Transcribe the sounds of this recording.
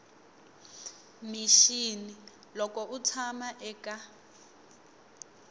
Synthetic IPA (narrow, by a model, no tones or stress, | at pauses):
miʃini | lɔkɔʔut͡sʰamaʔɛka